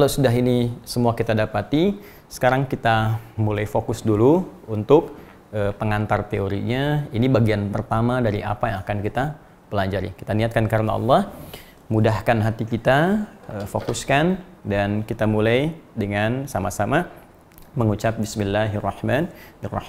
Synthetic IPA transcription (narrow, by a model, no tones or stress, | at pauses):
kalawsudaɦinisəmuakit̪adapat̪i | sə̥kaɾaŋkit̪amulajfokʊsduluunt̪ʊk̚ | əpəŋant̪art̪eoɾḭɲainibaɡianpərt̪amadaɾiʔa̰pajaŋakankit̪a | pəlad͡ʒaɾḭki̥t̪aniat̪̚kankaɾna̰ɑ̰lˠːɑh | mudahkanɦat̪ikit̪aəfokuskan | dankit̪amulajdəŋansamasama | məŋut͡ʃap̚bɪsmilːaɦarːɑhmanarːɑ̰h